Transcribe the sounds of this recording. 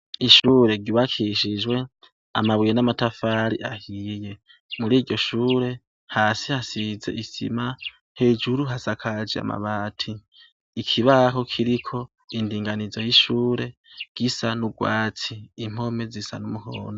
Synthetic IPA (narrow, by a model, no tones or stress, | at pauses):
iʃuːɾe̞ɟiβakʰiʃid͡ʒwe̞ | a̰maβwijenamatafaɾiʔahije̞ | muɾiːɟɟo̞ʃuːɾe̞ | haːsihasize̞̰ʔisḭma | he̞ːd͡ʒuɾuɦasakʰad͡ʒia̰ma̰βaːtʰiː | kʰiβaɦo̞kʰiɾikʰo̞ | indiːŋɡanizo̞jiʃuːɾe̞ɡ̥isanuɡ̥waːt͡siːm̥ho̞me̞zisa̰numuho̰ːno